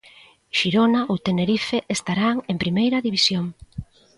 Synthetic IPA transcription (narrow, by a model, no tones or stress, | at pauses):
ʃiɾonaʔowt̪eneɾifeʔest̪aɾaŋempɾimejɾɐðiβisjoŋ